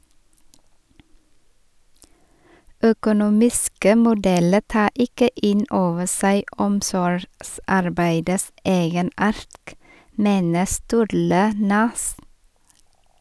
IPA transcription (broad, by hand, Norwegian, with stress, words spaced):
œkʊˈnuːmɪskə mʊˈdɛlə ˈtɑː ˈɪkə ˈɪn ˈoːʋə ˈsæɪ ˈɔmsɔɾɡˌsɑɾbæɪdəs ˈeːɡəˌnɑːɾt ˈmeːnə ˈstʉːɾlə ˈnʉs